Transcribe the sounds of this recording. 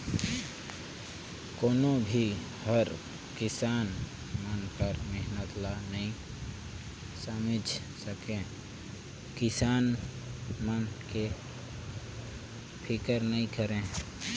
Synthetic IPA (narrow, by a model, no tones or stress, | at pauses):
koːnobʱi | həɾ | kɪsaːn | mənpəɾmeɦnət̪lanəɦĩ | samɪd͡ʒ | səkẽ | kɪsaːn | mənke | pʰɪkəɾnəɦĩkəɾẽː